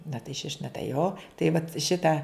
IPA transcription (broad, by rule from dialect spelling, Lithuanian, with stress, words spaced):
nɐ tɐɪ ʃʲɪʃʲ nɐ tɐɪ joː tɐɪ ʋɐt ˈʃʲɪtɐ